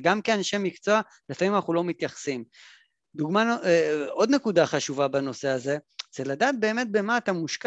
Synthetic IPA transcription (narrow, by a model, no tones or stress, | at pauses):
ɡamkeanʃemikt͡so̞a | lefamimanaχulo̞mit̪jaχḁsim | d̪uɡmanʔo̞d̪ne̞kud̪aχaʃuvabano̞se̞aze̞z̥eladaːt̪̚be̞ːme̞t̪̚bemaːt̪amuʃk